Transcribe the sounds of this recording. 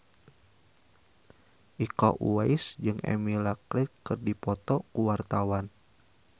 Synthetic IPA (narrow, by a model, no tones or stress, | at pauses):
ʔikɔ̰ʔuaisd͡ʒɨŋɛ̰milaklɛkːɨrdipɔt̪ɔkuwart̪awan